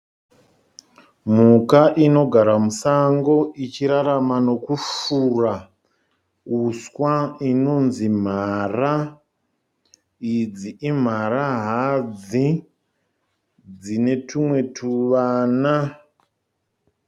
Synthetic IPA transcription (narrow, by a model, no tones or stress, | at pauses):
m̤ukaʔino̞ɡʱaɾamusaŋɡo̞ʔit͡ʃiɾaɾamano̞kufuːra | uswaino̞nzim̤ara | id͡ziʔim̤aɾaɦad͡zi | d͡zine̞tʰumwe̞tʰuʋana